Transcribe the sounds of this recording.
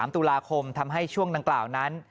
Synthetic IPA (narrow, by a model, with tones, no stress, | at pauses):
mt̪uː˧laː˧kʰo˧mt̪ʰa˧mɦa˥˩jt͡ɕʰu˥˩əŋda˧ŋklaː˨˩wna˦˥n